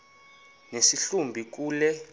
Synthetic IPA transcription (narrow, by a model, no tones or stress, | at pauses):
nesiɬumbʱik̬uːlɛ